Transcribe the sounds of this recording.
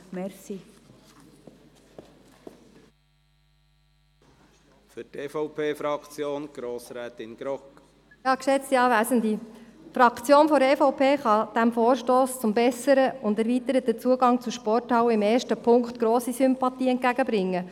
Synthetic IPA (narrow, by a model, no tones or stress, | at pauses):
mɛɾsi | fʏtefɔʊpʰeːfɾɑkt͡sjoːnɡ̥ɾoːsɾɛːt̪ɪnɡ̥ɾɔk | jɑːkʃɛt͡st̪iɑːʋæːsənd̪ifɾɑkt͡sjoːnfɔɾeːfɔʊpʰeːχɑd̥æmfoːɾʃtoːst͡sʊmbɛsəɾəʊndæɾʋit̪əɾət̪̚ːət͡suəɡɑŋt͡suʃpɔrthɑwəɪmeːɾʃtəpʰʊŋkχtɡ̥ɾoːsisʏmpɑt̪iːɛnt̚ɡ̥æɡəbɾɪŋːə